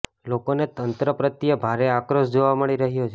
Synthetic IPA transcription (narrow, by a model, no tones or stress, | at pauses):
lokonet̪ənt̪ɾəpɾət̪ijəbʱaɾeakɾoʃd͡ʒoʋaməɭiɾəɦjot͡ʃʰe